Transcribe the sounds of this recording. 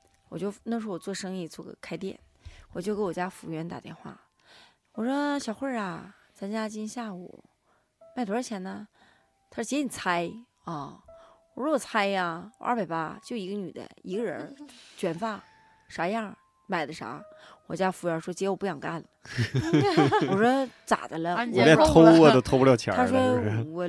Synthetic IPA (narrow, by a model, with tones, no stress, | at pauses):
wɔ˨˩t͡ɕjo˥˩ʊna˥˩ʂ̩˧˥wɔ˨˩t͡swɔ˥˩ʂɤ˥ŋi˥˩t͡swɔ˥˩ɡə̰˨˩kʰa˥ɪt̪jɛ̰˥˩n | wɔ˨˩t͡ɕjo˥˩ʊkə˥nwɔ˨˩t͡ɕja˥fu˧˥ɥɛ˧˥nt̪a̰˨˩t̪jɛ̰˥˧nxwa̰˥˩ | wɔ˨˩ʂɔ˥ɕjɑ˨˩ʊxwe˥˧˩ɐ˨˩ | t͡sʰa˥nt͡ɕja˥t͡ɕi˥nɕja˥˩ṵ˨˩˦ | ma˥˩ɪt̪wt͡ɕʰjɛ˧˥nə˧ | t̪ʰa˥ʂ̩˥˩t͡ɕjɛ˧˥ni˨˩t͡sʰa˥ɪ | ɔ˥˩wɔ˨˧˩ɻɔ˥˨˩t͡sʰa˥ɪɐ˧ʔa̰˞˥˩pa˨˩ɪpa˥t͡ɕjo˥˩ʊi˧˥ɡə˧ny˨˩d̪ə̰˦i˧˥ɡə˧ɻə˧˥t͡ɕɥɛ˨˧˩nfa˥˩ | ʂa˧˥jɑ˥˩ | ma˨˩ɪdə˦ʂa̰˧˥ | wɔ̰˨˩t͡ɕja˥fu˧˥jɑ˧˥ʂwɔ˥t͡ɕjɛ˧˥wɔ˨˩pu˥˩jɑ˨˩ŋka˥˩nə | wɔ˨˩ʂwɔ˥t͡sa̰˨˩d̪ə˦lə˦wɔ˨˩˧ljɛ˥˩t̪ʰo˥ʊɔ˥˩də˨t̪ʰo˥pu˧ljɑ˥˧˩t͡ɕʰjɑ̰˧˥a˥ʂwɔ˥˧wɔ˨˩